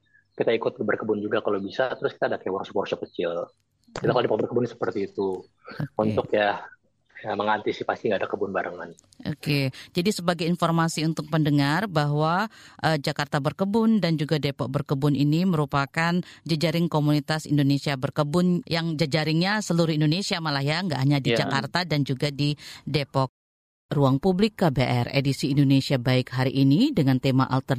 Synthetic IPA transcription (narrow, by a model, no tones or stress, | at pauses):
kit̪aikʊt̪̚bərkəbʊnd͡ʒuɡakalowbisat̪əɾʊskit̪aːdakewɔrsukɔrsɔkət͡ʃɪl | kit̪akaldepɔk̚bərkəbʊnsə̥pərt̪iːt̪u | unt̪ʊkja | jaməŋant̪isipasiŋɡaːdakəbʊnbaɾʔəŋan | o̰ked͡ʒadisəbaɡajinformasiunt̪ʊk̚pəndəŋarbaɦwaʔəd͡ʒakart̪abərkəbʊndand͡ʒuɡadepɔk̚bərkəbʊniniməɾupakand͡ʒad͡ʒaɾɪŋkomunit̪asḭndonesiabərkəbʊnjaŋd͡ʒad͡ʒaɾɪŋɲasəluɾʊhindonesiamalahjaŋɡa̰ʔɦaɲadid͡ʒakkart̪adand͡ʒuɡadidepɔk̚ | ruaŋpublɪkːabeʔɛrḛdisiːndonesiabaɪkɦaɾiʔinidəŋant̪ema̰ʔa̰lt̪ər